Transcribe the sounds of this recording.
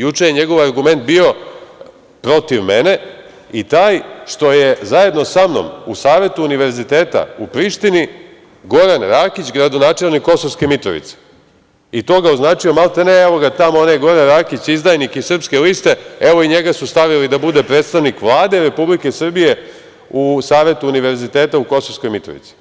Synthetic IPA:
jut͡ʂejeɲeɡo̞ʋaɾɡume̞nt̪̚bio̞ | pɾo̞t̪iʋmene̞ | it̪aːjʃt̪o̞je̞zaje̞d̪no̞samno̰musaːʋe̞t̪uːniʋe̞ɾzit̪e̞ːt̪a̰ṵpɾiʃt̪ini | ɡo̞ɾanɾaːkit͡ɕɡɾad̪onaːt͡ʃelnikːo̞soʋske̞mit̪ɾo̞̰ʋḭt̪se̥ | it̪o̞ːɡaoznaːt͡ʂio̞malˠt̪eneeʋo̞ɡat̪amoonajɡo̞ɾanɾaːkit͡ɕizd̪ajnikisr̩pske̞list̪e̞eʋoiɲeɡasust̪aʋilid̪abud̪e̞pɾet̪st̪aʋnikʋlˠaːd̪eɾe̞publike̞sr̩bije̞ | usaːʋe̞t̪uːniʋe̞ɾzit̪e̞ːt̪auko̞sosko̞jmit̪ɾoʋḭt̪i̥

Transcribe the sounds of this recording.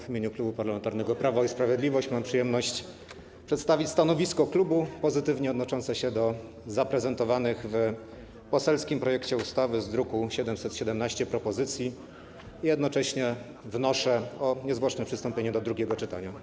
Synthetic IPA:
vʲimʲjeɲuklubupaɾlamɛnt̪aɾnɛɡɔpɾavaispɾavʲjed̪lʲivɔɕt͡ɕmampʂɨjɛmnɔɕt͡ɕ | pʂɛt̪st̪avʲit͡ɕʲst̪anɔvʲiskɔklubupɔzɘt̪ɘvɲɛɔd̪nɔt͡ʂɔnt̪sɛɕɛd̪ɔ | zapɾɛzɛnt̪ɔvanɘɣv | pɔsɛlskʲimpɾɔjɛkt͡ɕɛust̪avɘzd̪ɾukuɕɛd̪ɛmsɛt̪ɕɛd̪ɛmnaɕt͡ɕɛpɾɔpɔzɘt̪sʲji | ijɛd̪nɔt͡ʂɛɕɲɛ | vnɔʂɛɔɲɛzvwɔʂnɛpʂɘ̥st̪ɔmpʲjeɲɛd̪ɔd̪ɾuɡʲɛɡɔt͡ʂɘt̪a̰ɲa

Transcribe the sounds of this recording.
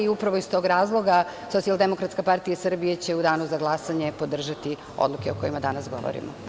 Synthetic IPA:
iupɾaʋoist̪o̞ɡɾaːzlˠo̞ɡaso̞t̪ialˠd̪emo̞kɾat̪skapaɾt̪ijaisr̩bijet͡ɕe̞ud̪aːnuzaɡlˠasaɲe̞po̞d̪r̩ʒat̪i | o̰d̪lˠukeoko̞jimad̪anasɡo̞̰ʋo̰ɾḭmo̰

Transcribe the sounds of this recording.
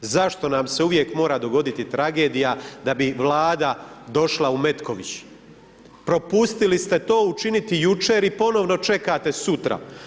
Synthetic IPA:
zaʃt̪o̞namse̞uʋje̞kmo̞ːɾad̪o̞ɡo̞d̪it̪it̪ɾaɡe̞ːd̪ijad̪abiʋlˠaːd̪ad̪o̞ʃlˠaume̞t̪ko̞ʋit͡ɕ | pɾo̞pust̪ilist̪e̞t̪o̞ːut͡ʃinit̪ijut͡ʃe̞ːɾipo̞no̞ʋno̞t͡ʃe̞kat̪e̞sut̪ɾa̰

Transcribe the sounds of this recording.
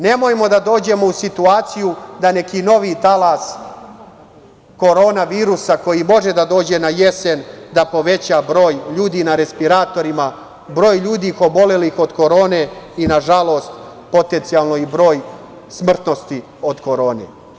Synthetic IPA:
ne̞mo̞jmo̞d̪ad̪o̞ːd͡ʑe̞mo̞usit̪uaːt̪sijud̪ane̞kino̞ʋit̪alas | ko̞ɾo̞ːnaʋiːɾusako̞jimo̞ʒe̞d̪ad̪o̞ːd͡ʑe̞naje̞se̞nd̪apo̞ʋe̞t͡ɕabɾo̞ːjʎuːd̪inaɾe̞spiɾaːt̪o̞ɾima | bɾo̞ːjʎuːd̪ixo̞bo̞le̞lixo̞d̪ko̞ɾo̞ːne̞inaʒalˠost̪ | po̞t̪ent̪sijalˠno̞ibɾo̞ːj | smr̩t̪no̞st̪i | o̞d̪ko̞ɾo̞ːnḛ

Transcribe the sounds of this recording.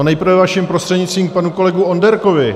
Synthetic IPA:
onɛjpɾ̩vɛvaʃimpɾost̪r̥ɛdɲɪt͡st̪viːmk̚panuko̞lɛɡuondɛɾkovɪ

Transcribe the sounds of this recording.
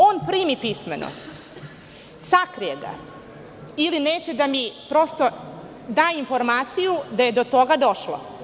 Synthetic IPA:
oːnpɾiːmipismḛnʔo̰ | sakɾijeɡa̰ | ilineːt͡ɕe̞d̪amipɾo̞st̪o̞ | d̪aːinfo̞ɾmaːt̪sijud̪aje̞d̪ot̪o̞ɡad̪o̞ʃlo̰

